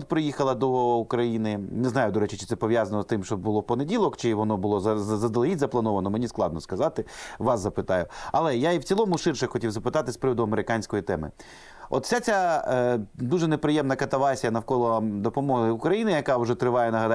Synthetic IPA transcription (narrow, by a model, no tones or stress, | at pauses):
t̪pɾɪjixɐlˠɐd̪ɔukɾɐjinɪnɛznɑjʊd̪ɔɾɛt͡ʃɪt͡ʃɪ̥t̪sɛpɔʋʲjazɐnɔst̪ɪmʃt͡ʃɔbbʊlˠɔpɔnedʲilˠɔkt͡ʃɪʋɔnɔbʊlˠɔzɐzɐd̪elˠɦʲit̪ʲzɐplˠɐnɔʋɐnɔmenʲisklˠɑ̰d̪nɔskɐzɑt̪ɪʋɑszɐpɪt̪ɑjʊɐlˠɛjaiwt͡sʲilˠɔmʊʃɪrʃɛxɔtʲiwzɐpɪt̪ɑt̪ɪspɾɪʋɔd̪ʊɐmeɾɪkɑnʲsʲkɔjit̪ɛmɪ̰ | ɔ̰t̪fsʲat͡sʲa | d̪uʒɛnepɾɪjɛmnɐkɐt̪ɐʋɑsʲijɐnɐwkɔlˠɔd̪ɔpɔmɔɦɪʊkɾɐjinɪjɐkɑwʒɛt̪ɾɪʋɑjɛnɐɦɐd̪